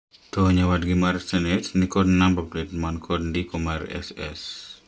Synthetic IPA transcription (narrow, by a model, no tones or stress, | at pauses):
toɲawadɡimaɾsɛnɛtnikɔdnambapletmankʰɔdndikɔmarɛ̰sɛ̰s